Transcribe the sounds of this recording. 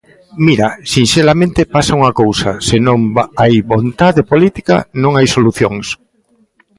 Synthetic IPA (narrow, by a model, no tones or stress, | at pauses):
miɾasinʃelamẽnt̪ɪpasauŋɐkowsɐsenõŋajβont̪aðepolit̪ika̰nõŋajsoluθjoŋs